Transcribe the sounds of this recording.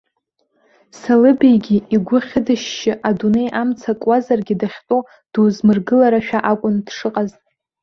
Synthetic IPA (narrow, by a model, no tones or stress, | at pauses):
salɨbejɡʲiiɡʷʊχʲɪdɨʃːɪʔadune̞jʔamt͡sʰakʷʼwazarɡʲidaχʲtʼo | d̥wzmɨrɡɨlaɾaʃᶣaʔakʷʼʊndʂɨqʼaztʼ